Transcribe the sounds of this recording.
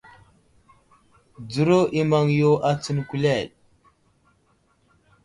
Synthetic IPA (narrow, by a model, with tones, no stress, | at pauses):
d͡zu˨˦ɾo˦ʔi˦ma˦ŋjo˦ʔa˦t͡sə˦nku˨le˦˨ɗ̚